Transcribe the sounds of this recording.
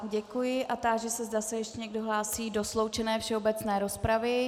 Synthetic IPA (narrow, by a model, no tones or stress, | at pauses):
ɟɛkujɪʔat̪aːʒɛsɛzdasɛjɛʃcɛɲɛɡdo̞ɦlaːsiːdo̞slo̞wt͡ʃɛnɛːfʃɛobɛt͡snɛːɾo̞spɾavɪ